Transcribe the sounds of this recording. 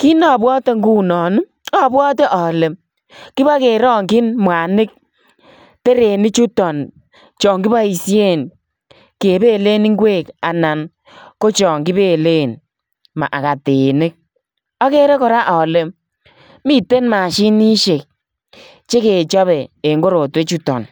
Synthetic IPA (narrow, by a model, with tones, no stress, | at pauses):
ki˦nɔ˨bwɔ˦te˦ŋɡu˦nɔ˨n˦ | ɔ˦˨bwɔ˦te˦ʔɔ˨le˨m | ki˦ba˦ke˨ɾɔ˦ŋkɪ˦nmwa˨nɪ˦k̚ | te˦ɾe˨nɪ˦t͡ʃu˦tɔ˨n | t͡ʃɔ˨ŋki˦ba˦i˨se˦˨n | ke˨be˦˨le˦ni˦ŋ˦ɡweː˦˨ka˨na˨n | ko˦t͡ʃɔ˨ŋki˦be˦˨le˦˨n | ma̰˨ʔa˨ka˨te˨nɪ˦k̚ | ɔ˦ke˦ɾe˦kɔ˨ɾa˦ʔɔ˨le˨m | mi˦te˦nma˨ʃi˦ni˦ʃe˨k̚ | t͡ʃe˦ke˨t͡ʃɔ˦βɛ˨e˨ŋɡo˦ɾo˨twe˦t͡ʃu˦tɔ̰˨n